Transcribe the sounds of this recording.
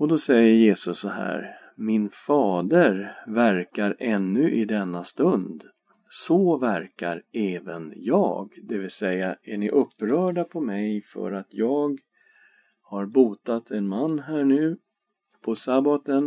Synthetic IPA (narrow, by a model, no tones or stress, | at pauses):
ɔd̪ɔsɛjːəɾjeːsɵsːɔhæ̰ːɾ | mɪnfɑːd̪əɾvæɾkaɾʔɛnːɵʔɪd̪ɛnːast̪ɵnd̪ | sɔvæɾka̰ɾɛːvə̰njɑ̰ːɡd̪ɛvɪlsɛjaʔæɳɪʔɵpːɾœːɖapʰɔmɛjfœ̰ɾat̪ʰjɑːɡ | haɾbuːt̪at̪ʰɛnmanːɦæːɳʉ̟ː | pʰɔsabat̪ən